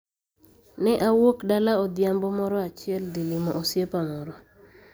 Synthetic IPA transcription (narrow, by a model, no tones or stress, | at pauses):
nɛʔawokdalaɔd̪jambɔmɔɾɔat͡ʃɪɛld̪ilimɔʔosjepamɔɾɔ